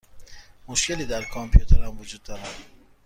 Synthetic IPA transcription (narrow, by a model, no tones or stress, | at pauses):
moʃceliːd̪æɾkʰɒmpʰijut̪ʰeɾæmvod͡ʒuːd̪ːɒːɾæ